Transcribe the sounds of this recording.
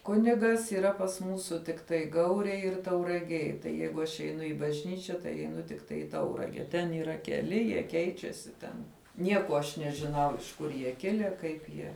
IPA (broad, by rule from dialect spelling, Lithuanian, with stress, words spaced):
ˈkʊnʲɪɡɐs iːˈrɐ pɐs ˈmuːsʊ tʲɪkˈtɐɪ ˈɡɐʊrʲeːj ɪr tɐʊrɐˈɡʲeːj ˈjɛɪɡʊ ˈɐʃ ɛˈɪnʊ ɪ bɐʒʲˈnʲiːt͡ʃʲɛ tɐɪ ɛɪˈnʊ tʲɪkˈtɐɪ iː ˈtɐʊrɐɡʲɛ tʲɛn iːˈrɐ kʲɛˈlʲɪ jiɛ ˈkʲɛɪt͡ʃʲɛsʲɪ ˈtʲɛn ˈnʲiɛkoː ɐʃ nʲɛʒʲɪˈnɐʊ ɪʃ ˈkʊr jiɛ ˈkʲɪlʲɛ ˈkɐɪp jiɛ